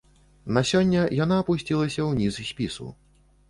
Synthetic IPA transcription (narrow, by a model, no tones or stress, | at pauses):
nasʲɔnʲːɐjanaːpusʲt͡sʲilˠɐsʲɐwnʲizsʲpʲisṵ